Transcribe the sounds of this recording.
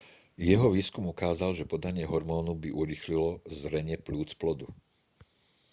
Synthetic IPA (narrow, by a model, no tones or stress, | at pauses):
jɛɦɔʋiːskumukaːzalʒɛpɔd̪aɲɪɛɦɔɾmɔːnubiʔuɾixlilɔzɾɛɲɪɛpluːt͡splɔd̪u